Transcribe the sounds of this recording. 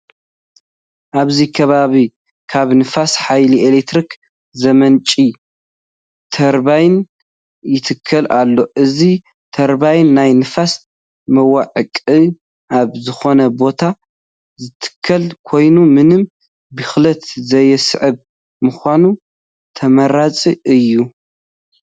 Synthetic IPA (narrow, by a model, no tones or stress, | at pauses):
ʔaβzikʰɐβaβi | kʰaβnɨfasħajliʔelekt̪ɾik | zɐmɐnt͡ʃʼi | t̪ʰɐɾbajn | jɪt̪ʰɨkʰːɐlʔalːo̞ʔɨzi | t̪ʰɐɾbajnːajnɨfas | mɐwaʕɨkʼɨ | ʔaβzɨxo̞nɐbo̞t̪ʰa | zɨt̪ʰɨ̥kʰːɐlkʰo̞jnumɨnɨm | bɨxlɐt̪zɐjɛsɨʕɨβ | mɨxʷanu | t̪ʰɐmɐɾat͡sʼiʔɨjːu